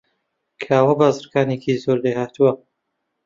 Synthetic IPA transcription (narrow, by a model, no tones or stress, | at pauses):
kʰaːwɐbaːzɨɾkaːnekʰizoːɾd̪ehaːt̪uwɐ